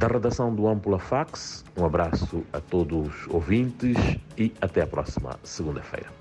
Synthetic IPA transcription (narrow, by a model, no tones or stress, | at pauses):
d̪ɐʁɨd̪asɐ̃w̃d̪uɐ̃mpulɐfaksũɐbɾasuɐt̪od̪uzo̰vĩnt̪ɨʃiɐt̪ɛɐpɾɔ̰simɐ̰sɨɣũnd̪ɐfḛjɾɐ